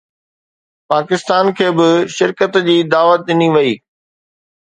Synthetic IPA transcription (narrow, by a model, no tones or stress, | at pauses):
paːkɪst̪aːnkʰeːbɪʃɪɾkət̪d͡ʑiːd̪aːʋət̪̚ɗɪniʋɐiː